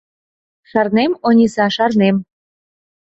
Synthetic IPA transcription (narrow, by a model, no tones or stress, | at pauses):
ʃɑrnemonʲisɑʃɑrnem